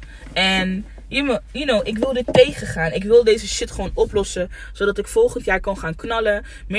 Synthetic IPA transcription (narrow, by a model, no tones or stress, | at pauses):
ɛn | jəmjənowʔɪkʋɪlˠdɪtːejχəχaːnɪkʋɪlˠdejzəʃɪtχəʋownɔplɔsə | z̥odɑtɪkfɔlˠχəntjaːɹkɑnχaːnknɑlə | m